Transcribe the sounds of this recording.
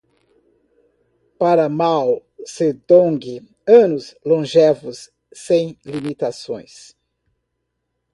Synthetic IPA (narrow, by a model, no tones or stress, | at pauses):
paɾɐmawseɾd̪õɡɪ | ɐ̃nʊslõʒevʊsː | ẽj̃limit̪asõ̰j̃s